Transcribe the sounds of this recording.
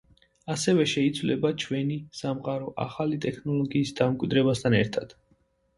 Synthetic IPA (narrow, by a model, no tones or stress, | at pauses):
asɛvɛʃɛit̪sʰvlɛbat͡ʃʰwɛnisamqʼaɾɔʔa̰χalit̪ʼɛkʰnɔlˠɔɡiːsd̪amkʼwid̪ɾɛbast̪ʰanɛ̰ɾt̪ʰad̪̥